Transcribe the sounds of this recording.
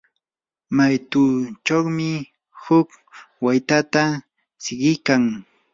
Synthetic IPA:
majt̪uːt͡ʃowmɪ | hʊk | wajt̪at̪a | sɪɢɪkaŋ

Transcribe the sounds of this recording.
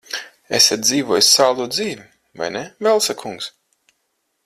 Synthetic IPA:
esʲat̪̚d̪ziːvɔjsʲsaːlˠd̪uːd̪ziːvʲi | va̰jnɛvɛlˠsakʰuŋks

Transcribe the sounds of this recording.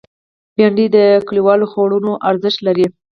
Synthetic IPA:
bjɑɳɖid̪əkəliwɑloxoɽunoʔaɾzəʃt̪laɾi

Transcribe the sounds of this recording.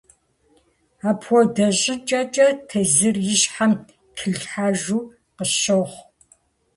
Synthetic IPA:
aːpʰwɔdɐɕʼɪt͡ʃʼɐt͡ʃʼɐtʰɐzɨrjɪɕħam | tʰɨɮħaːʒuː | qəʃoχʷ

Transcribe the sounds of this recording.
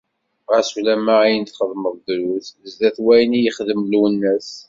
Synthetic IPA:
ʁæsulæmaæjənt̪χəðˤməðˤd̪ɾuθəzd̪æθwæjnijəχðəmluwənːəs

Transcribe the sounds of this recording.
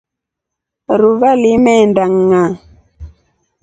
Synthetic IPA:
ɾuvalimɛndaŋːa

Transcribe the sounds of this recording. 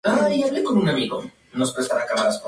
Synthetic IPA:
ajaβlekonunamiɣo | nospst̪aɾakamaas

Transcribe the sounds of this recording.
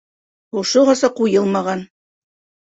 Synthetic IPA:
ŏʃoʁɑsɑqujɤlˠmɑʁɑn

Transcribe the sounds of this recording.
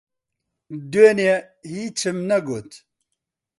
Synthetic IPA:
d̪wene | hit͡ʃimnɐɡot̪ʰ

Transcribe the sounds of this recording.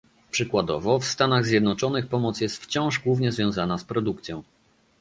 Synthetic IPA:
pʂɘkwad̪ɔ̰vɔfst̪anaɣzʲjɛd̪nɔt͡ʂɔnɘxpɔmɔt̪sjɛst̪ft͡ɕɔ̃w̃ʐɡwuvɲɛzvʲjɔ̃zanaspɾɔd̪ukt̪sʲjɔ̃w̃

